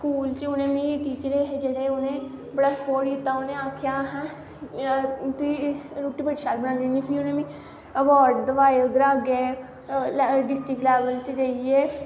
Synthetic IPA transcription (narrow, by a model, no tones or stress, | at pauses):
skuːlt͡ʃʊnẽːmĩʈiːt͡ʃəɾeːɦed͡ʒeːɽeːʊnẽːbəɽaːsə̥poːʈɪt̪ːaːʊnẽːaːkʰjaːɦɛ̃ː | t̪ʊiːɾuːʈiːbəʈ̪ʃaːlbənãːninipʰiʊnẽːmĩː | əʋɔːɾɖd̪əʋaːeʊd̪əɾaːɡeː | lɖɪsʈɾɪklɛːʋəlt͡ʃd͡ʒaːieː